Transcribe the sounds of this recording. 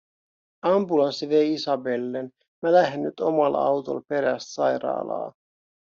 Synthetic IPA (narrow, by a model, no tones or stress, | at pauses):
ɑmbulɑnsiʋejisɑbe̞lːen | mælæɦenːyt̪o̞mɑlɑ̰wt̪o̞̰lpe̞ɾæst̪sɑjɾɑ̰ːlɑ̰ː